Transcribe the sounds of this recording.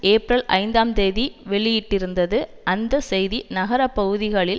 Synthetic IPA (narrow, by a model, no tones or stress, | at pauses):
eːpɾɐlʔɐ̰ɪnd̪aːmt̪eːðiʋɛɭɪjɪʈːɪɾɯnd̪ɐðɯɐnd̪ɐsɛjðinɐɣɐɾɐpːɐɣɯðɪɣɐɭɪl